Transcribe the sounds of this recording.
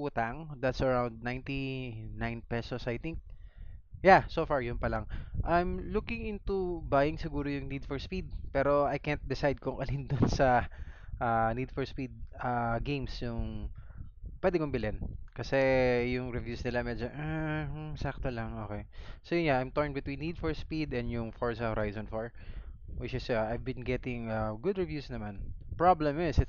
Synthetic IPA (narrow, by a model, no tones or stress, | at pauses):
ʊt̪aŋd̪ɐt̪sɐɹawnd̪̚nãjnt̪inãjnpɛsosɐjt̪ɪŋk̚ | jasoːfaɹjʊnpɐlaŋʔajmlukɪ̃ŋɪ̃nt̪ubajɪŋsɪɡuːɾojʊŋnid̪fɔɹspid̪̚pɛːɾo̞ɐjkɛnt̪̚d̪ɪsajd̪̚kʊŋkɐlind̪ʊnsɐʔanid̪fɔɹspid̪̚aɡejmsjʊŋ | pwɛd̪ɪkʊmbɪlɪnkɐsɛjʊŋɾɪvjuːsnɪlamɛd͡ʒoʔaɛsak̚t̪olɐŋʔo̰ːkɛjsojʊnɲaʔajmt̪ɔɹnbɪt̪wĩnːid̪fɔɹspid̪ɛ̃nd̪jʊŋfoɹsɐhoɾʔajzɔ̃nfoɹ | wɪt͡ʃɪsjoʔajvbɪnɡɛt̪ɪŋɐɡʊd̪ɹɛvjuːsnɐmanpɹablɛmɪsɪ